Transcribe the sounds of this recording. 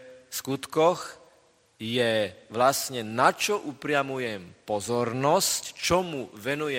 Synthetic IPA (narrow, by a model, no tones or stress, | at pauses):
skut̪kɔx | jɛʋlasɲɛnat͡ʃɔʔupɾɪamujɛmpɔzɔɾnɔsct͡ʃɔmuʋɛnujɛ